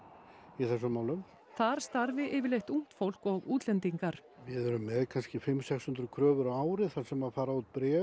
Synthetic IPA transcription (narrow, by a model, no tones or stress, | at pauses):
iθɛsːʏmaːwlʏm | θaɾ̥st̪aɾvɪʔɪːvɪlejht̪um̥t̪fowl̥kɔɣuːt̪lɛnt̪iŋkaɾ̥ | vɪðœɾʏmːɛðkʰanscɪfɪmːsɛkshʏnt̪ɾʏkʰɾœːvʏɾawaːwɾɪθḁsɛmaðfaːɾaut̪̚pɾɛː